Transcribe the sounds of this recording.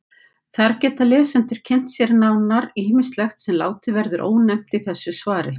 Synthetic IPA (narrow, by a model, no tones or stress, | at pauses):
θaɾcɛːt̪alɛːsɛnt̪ʏɾ̥cʰɛn̥t̪sjɛɾɪnaːwnːaɾiːminst̪lɛxt̪sɛmla̰ːwt̪ɪvɛɾðʏɾʔo̰ːwnɛm̥t̪iθɛsːʏsvaːɾɪ̰